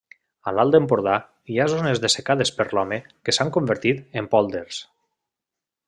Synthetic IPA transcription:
alalˠd̪empoɾða | iazonezðesekaðespəɾlɔmekesaŋkombəɾt̪it̪empɔlˠd̪eɾs

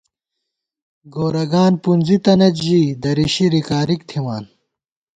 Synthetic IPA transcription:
ɡoːɾɐɡaːnpunzit̪ɐnɐt͡ɕʑiːd̪ɐɾiɕiɾikaːɾikt̪ʰiwaːn

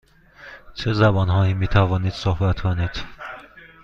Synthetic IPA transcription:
t͡ʃʰezæbɒnɦɒːiːmiːt̪ʰævɔːniːd̪̥sohbæt̪kʰoniːd̪̥

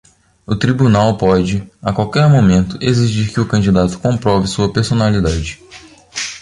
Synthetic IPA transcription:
ʊt̪ɾibunawpɔd͡ʒɪakwawkɛɾmomẽnt̪ʊʔeziʒiɾkɪʊkɐ̃nd͡ʒid̪at̪ʊ̥kõmpɾɔvɪsuɐpeɾsonalid̪ad͡ʒɪ

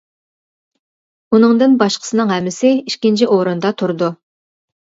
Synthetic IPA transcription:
unɨŋd̪ɨnbɑʃqʰə̥sɨnɨŋɦɛmːɪsɪiʃkʲint͡ʃʰiʔoɾɨnd̪ɑt̪ʰuɾd̪u

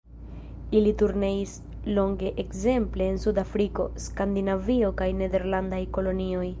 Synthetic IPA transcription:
ilituɾne̞is | lo̞ŋɡe̞ʔekze̞mple̞ːnsudafɾiko̞̰skand̪inavio̞kajne̞de̞ɾlandajko̞lo̞nio̞j

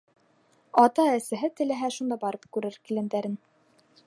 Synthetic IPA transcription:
ɑt̪ɑæsæɦɘt̪ɘ̆læɦæʃund̪ɑbɑɾɤp̚kʉɾɘɾkilɘ̆nd̪æɾɘn

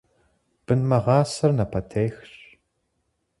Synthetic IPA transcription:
b̥ɨnmɐʁɑːsɐrnɐpʰɐtʰeːxɕ

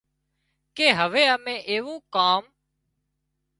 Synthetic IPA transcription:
keːɦəʋeːəmẽːʔeːʋũːkaːm

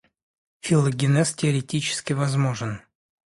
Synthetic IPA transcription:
fʲɪlˠəɡʲɪnɛstʲɪɐɾʲɪtʲit͡ɕɪ̥skʲɪvɐzmoʐɨn

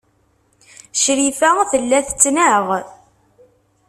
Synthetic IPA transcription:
ʃɾifæθəlːæθt͡sːnæʁ

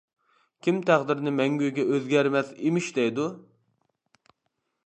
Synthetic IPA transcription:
kʲʰimt̪ʰæχd̪ɪɾnɪmɛŋɡʲyjɡʲɛʔøzɡʲɛɾmɛsemɪʃd̪ɛjd̪u

